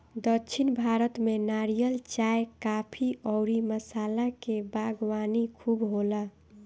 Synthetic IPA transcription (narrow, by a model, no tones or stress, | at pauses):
d̪ət͡ʃʰinbʱaɾət̪menaɾijəlt͡ʃaekapʰiʔɔːɾiməsaːlakebaɡwanikʰubɦola